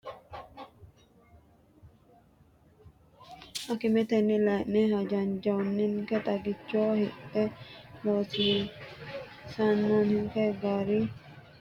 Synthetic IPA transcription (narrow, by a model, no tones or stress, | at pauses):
ʔɐkɪmɛt̪ɛnːɪlɐjʔnɛhɐd͡ʒɐnd͡ʒɐɔnːɪnkɛt̪ʼɐɡɪt͡ʃːoːhɪtːɛloːsi | sɐnːoːnhɪŋkɛɡaːɾi